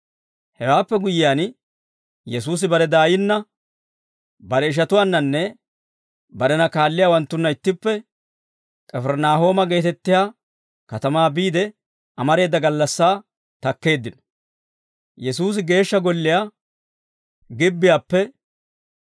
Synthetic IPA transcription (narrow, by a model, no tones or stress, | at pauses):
hɛwaːpːɛɡʊjɪjaːn | jɛs̬uːs̬ɪbɐɾɛd̪aːjɪnːɐ | bɐɾɛɪʃ̬ɐt̪ʊwaːnːɐnːɛ | bɐɾɛnɐkaːlːɪjaːwɐnt̪ːʊnːɐɪt̪ːɪpːɛ | kʼɛfɛɾnaːɦo̞ːmɐɡe̞ːt̪ɛt̪ːɪjaː | kɐt̪ɐmaːbiːd̪ɛ | ʔɐmɐɾe̞ːd̪ːɐɡɐlːɐsːaː | t̪ɐkːe̞ːd̪ːɪnɔ̥ | jɛsuːs̬ɪɡe̞ːʃːɐɡɔlːɪjaː | ɡɪbːɪjaːpːɛ